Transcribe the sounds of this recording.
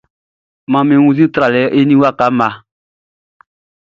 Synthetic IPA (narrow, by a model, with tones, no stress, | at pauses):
mã˨mẽ˨wũ˧zĩ˦t̪ɾa˨lɛ˨˦ʔe˦nĩ˦wa˦˨ka˨˦mã˨